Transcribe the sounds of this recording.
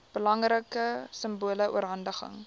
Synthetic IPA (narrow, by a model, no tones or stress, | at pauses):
b̥əlɐŋrəkəsəmbuələʔṵəɾɦɐndəχə̰ŋ